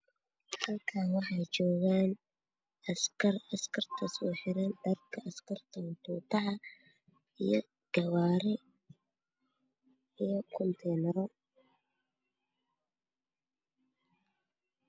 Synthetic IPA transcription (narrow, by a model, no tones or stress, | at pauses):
hɐlkʰaːnwɑħɑjt͡ʃɔːɣaːn | ɐskʰɐrɐskʰɐrt̪ʰɐsɔːħɪɾɛnd̪ɐrkʰɐɐskʰɐrt̪ʰɐnt̪ʰuːt̪ɑʕɑ | ijɔ | ɡ̥ɐwaːɾɪ | ijɔkʰɔnt̪ʰɛːnɛɾɔ